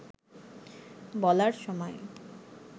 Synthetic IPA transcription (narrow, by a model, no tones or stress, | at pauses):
bɔlaɾʃɔmɔe